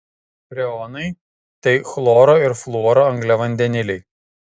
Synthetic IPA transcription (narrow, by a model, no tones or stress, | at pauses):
pɾʲɛɔnɐɪ | t̪ɐɪxlˠɔːɾoːɪɾflˠuɔɾoːɐŋɡlʲɛʋɐnʲd̪ʲɛnʲɪlʲɛɪ